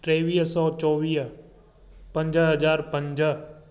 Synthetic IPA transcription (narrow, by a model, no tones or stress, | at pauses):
ʈɾeːʋiːsɔːt͡ʃɔːʋiː | pə̃ɲd͡ʒəɦəd͡ʒaːɾpə̃ɲd͡ʒə